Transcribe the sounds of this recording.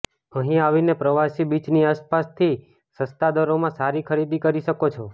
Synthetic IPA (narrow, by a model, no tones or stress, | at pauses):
ə̃ɦĩaʋinepɾəʋasibit͡ʃniaspast̪ʰi | səst̪ad̪əɾomãsaɾikʰəɾid̪ikəɾiʃəkot͡ʃʰo